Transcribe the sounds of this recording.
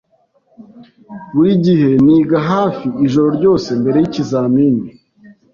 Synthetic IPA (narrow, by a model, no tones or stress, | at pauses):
βuɾiɟiɦe̞niːɡaɦaːfiiʒo̞ɾo̞ɾɟo̞ːse̞mbe̞ɾe̞jicizaːmiːni